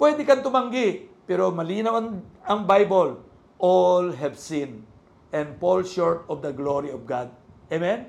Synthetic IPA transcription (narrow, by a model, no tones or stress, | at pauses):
pwɛd̪ɪkɐnt̪ʊmɐŋɡɪpɛːɾomɐliːnɐwɐnɐŋbajbol | ʔolɦɛvsin | ʔɛ̃nd̪polʃoɹt̪ɔvd̪ɐɡloɾiɔvɡad̪̚emɛn